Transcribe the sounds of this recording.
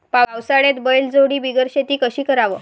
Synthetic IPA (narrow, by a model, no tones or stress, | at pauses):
paawsaɽet̪bəɭeld͡zoɽiːbiɡəɾɕet̪iːkəɕiːkəɾaʋə